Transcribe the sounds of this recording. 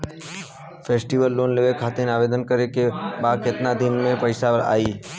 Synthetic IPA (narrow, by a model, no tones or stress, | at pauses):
pʰeːsʈiʋəlːoːnleːʋekʰaːt̪eneaːʋeːd̪ənkəɾekebaːd̪kɪt̪nad̪ɪnmẽpəɪsaəɾa̰ːiː